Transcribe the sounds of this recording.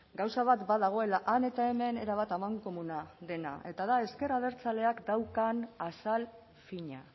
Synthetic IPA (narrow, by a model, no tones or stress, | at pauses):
ɡawsaβ̞at̪baðaɣ̞o̞e̞laʔane̞t̪ae̞me̞ne̞̰ɾaβ̞at̪amaŋko̞munaðe̞na̰ʔe̞t̪aðae̞ske̞ɾaðe̞ɾt͡sale̞akd̪awkanasal | fiɲa̰